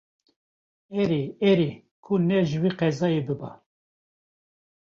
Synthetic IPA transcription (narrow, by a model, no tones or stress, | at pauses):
ɛɾeɛɾi | kʰunɛʒɨwiːqɛzɑːjebɨbɑ̰